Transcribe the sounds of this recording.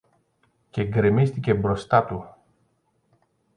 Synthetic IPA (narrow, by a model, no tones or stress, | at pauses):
ce̞ŋɡɾemist̪ice̞bɾo̞st̪ɐt̪u